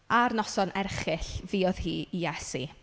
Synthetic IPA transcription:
arnɔsɔnʔɛrχɪɬviːɔð̥hiːijɛsḭ

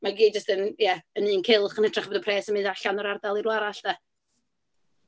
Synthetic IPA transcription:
maɡiːd͡ʒəstənjɛəniːnkʰɪlˠχənhətʰr̥aχbɔdəpʰrɛːsəmɨ̃ndaɬanɔɾardalˠirwaɾaɬd̥ɛ

